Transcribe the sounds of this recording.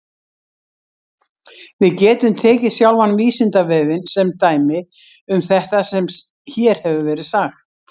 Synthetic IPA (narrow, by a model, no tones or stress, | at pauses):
vɪðcɛːt̪ʏmt̪ʰɛːcɪsjawlvanːviːsɪnt̪avɛːvɪnsɛmt̪aːjmɪ | ʏmθɛht̪asɛm | çɛɾ̥hɛvʏvɛːɾɪðθaxt̪